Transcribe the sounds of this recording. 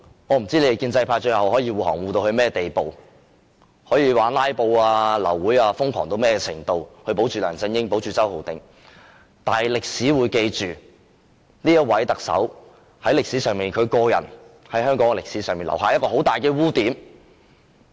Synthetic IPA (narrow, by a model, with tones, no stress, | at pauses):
ŋɔː˨˧m̩˨˩t͡siː˥e˨˧e˨˩kiː˧nt͡sɐ˧jpʰaː˧t͡ʃɵ˧jhɐ˨˩whɔː˨˥jiː˧wuː˨˩hɔː˨˩ŋwuː˨t̪o˧whɵ˧ɥmɛː˥t̪e˨jpo˨w | hɔː˨˥jiː˨˧waː˨˥nlaː˥jpo˧waː˧lɐ̰˨˩wːuː˨˥jaː˧fʊ˥ŋkʰɔ̰ː˨˩ŋt̪o˧wmɛː˥kɛ˧t͡sʰɪ̰˨˩ŋt̪o˧whʰɵ˧ɥpo˨˥wt͡ʃʰyː˨lœ̰ː˨˩ŋsɪ˥˧ŋjɪ˥ŋp̬o˨˥wt͡ʃyː˨t͡sɐ˥who˨wt̪ɪ˨ŋ | t̪aː˨nɐ˨˩jlɪ˨k̚siː˨˥wuː˨˧jke˧jt͡ʃyː˨ | niː˥jɐ˥t̚wɐ˨˥jt̪ɐ˨˩k̚sɐ̰˨˥w | hɐ˨˥jlɪ˨k̚siː˨˥sœː˨ŋmiː˨nkʰɵ˨˧kɔː˧jɐ̰˨˩n | hɐ˨˥jɦœː˥ŋkɔː˨˥ŋ˨lɪ˨ksiː˨˥sœː˨ŋmiː˨˩nlɐ̰˨˩wɦaː˨jɐ˥t̚kɔː˧ho˨˥wt̪aː˨˩jkɛː˧wuː˥t̪iː˨˥m